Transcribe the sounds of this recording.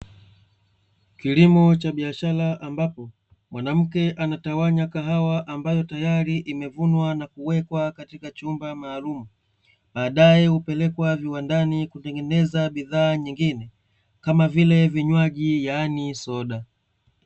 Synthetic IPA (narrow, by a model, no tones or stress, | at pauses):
kilimɔt͡ʃaɓiaʃalaʔambapɔ | mwanam̩kɛʔanatawaɲakaɦawaʔambajɔtajaɾiʔimɛvunwanakuwɛkwakatikat͡ʃumbamaːlumu | ɓaːɗajɛupɛlɛkwaviwandanikutɛŋɡɛnɛzaɓiðaːɲiŋɡinɛ | kamavilɛviɲwaʄijanisɔɗa